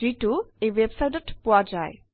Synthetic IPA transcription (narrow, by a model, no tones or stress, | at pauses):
ituejwebsajʈɔtpowad͡ʑaj